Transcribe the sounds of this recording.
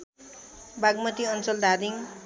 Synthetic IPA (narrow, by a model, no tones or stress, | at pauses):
baɡmʌt̪iʌnt͡sʌld̪ʱad̪iŋ